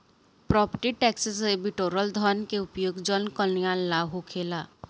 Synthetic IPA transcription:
pɾɔːpəʈiʈɛːksəsebiʈoːɾəld̪ʱɔnkeʊpjoːɡd͡ʒənkəljaːllaːɦokʰeːlaː

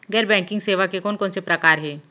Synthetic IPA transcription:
ɡɛːɾbɛ̃ːŋkɪ̃ŋɡseːʋakekɔːnkɔːnsepɾɐkaːɾɦɛː

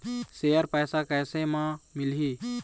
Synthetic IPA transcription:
sejəɾpɛːsakɛːsẽmãmɪli

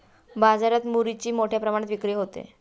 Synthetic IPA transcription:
bad͡zaɾat̪muɾit͡ɕiːmoʈʰjapɾəmaɽ̃et̪ʋikɾijeɦot̪ḛ

